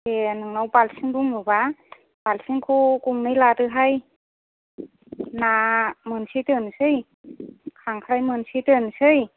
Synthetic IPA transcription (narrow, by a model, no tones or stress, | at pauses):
tenɯŋnawbalsɯŋduŋmɯba | b̥alsiŋkʰukuŋnɯjladɯɦaj | namɯnsitɯnsɯj | kʰaŋkʰɾajmɯnsitɯnsɯj